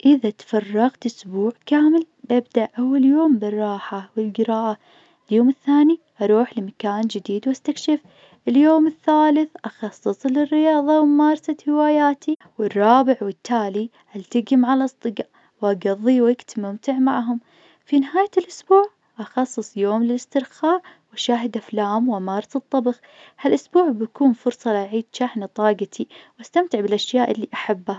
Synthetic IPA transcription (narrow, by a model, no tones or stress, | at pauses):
ʔɪðat̪fɑrˤːɑɣt̪ʔʊsbuːʕkaːmɪl | bʔab̚d̪aʔʔawːaljoːmbɪrˤːɑːħawɪlɡɪɾɑːʔa | ljoːmɪθːaːni | ʔɑɾˤuːħlɪmakaːnd͡ʒɪd̪iːd̪wʔast̪akʃɪf | ʔɪljoːmɪθːaːlɪθʔɑxɑsˤːɨsˤlɪrːɪjɑːðˤɑwmɑːɾˤsahɪwaːjaːt̪i | wɪrˤːɑːbɪʕwɪt̪ʰːaːli | ʔalt̪aɡɪmaʕalʔɑsˤd̪ˤɨɡɑ | wʔaɡɑðˤːiwɪkt̪mʊmt̪ɪʕmaʕɦʊm | finɪhaːjalʔʊsbuːʕ | ʔɑxɑsˤːɨsˤjoːmlɪlɪst̪ɪɾxɑːɾˤwaʃaːɦɪd̪ʔaflaːmwʔamɑːɾˤɑst̪ˤːɑbɣ | halʔʊsbuːʕbakuːnfʊɾsˤɑlɪʔaʕiːd̪ʃaħnat̪ˤɑːɡɑt̪ʰiwʔast̪amt̪ɪʕbɪlʔaʃjaːʔɪlːiʔaħabːa